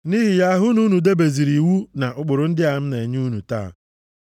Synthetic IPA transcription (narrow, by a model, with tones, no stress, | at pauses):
ni˦ɦi˨ja˦ɦʊ˦nu˦nu˨de˦be˨zi˨ɾi˨wu˦na˨ʔʊ˨k͡pʊ˨ɾʊ˨n̩˦dɪ˦a˨m̩˦ne˨ɲ˦u˦nu˨ta̰˦˨